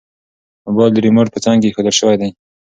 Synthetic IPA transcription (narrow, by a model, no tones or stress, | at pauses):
abɑld̪əɾimoɾpət͡sɑŋɡexod̪əlʃəwajd̪aj